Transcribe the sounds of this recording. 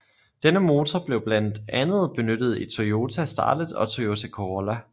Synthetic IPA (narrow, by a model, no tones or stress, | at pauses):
d̥enəmo̝ːt͡sʰɒb̥le̝ʊb̥læn̰d̥ænð̞̩ˠb̥e̝nød̥əð̞̩ˠit͡sʰoo̝ːt͡sʰæsd̥ɑ̰̈ːd̥əð̩ˠɒ̽t͡sʰoot͡sʰækʰoʁlæ